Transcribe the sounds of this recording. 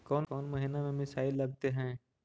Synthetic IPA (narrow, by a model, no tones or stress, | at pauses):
kɔːnkɔːnmɐɦinamẽmɪsaːɪlːɐɡ̚t̪eɦɛ̃ː